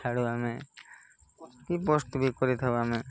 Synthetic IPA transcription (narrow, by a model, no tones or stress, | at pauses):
aɽuame | kipɔst̪ubʱikɔɾit̪ʰaoame